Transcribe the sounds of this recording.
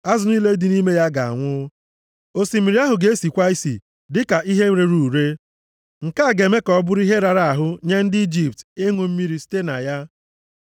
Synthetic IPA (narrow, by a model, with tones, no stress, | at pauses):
a˦zʊ˦ni˦le˦dɪ˨ni˦me˦ja˦ɡa˨a̰˨ŋʷʊ˦ | o˨si˨mi˨ɾi˦a˦ɦʊ˨ɡe˦si˨kʷa˦i˦sḭ˨ | dɪ˦ka˨ʔi˦ɦe˦ɾe˦ɾu˨ɾe˦ | ŋ̩˨ka˦˨ɡe˨me˦kɔ˨˦bʊ˦ɾi˦ɦe˦ɾa˨ɾa˨a˨ɦʊ˦ɲe˦n̩˦dɪ˦i˦d͡ʒi˨p̚te˦ŋʷo˨m̩˦mi˦ɾi˨ste˦na̰˨ja˦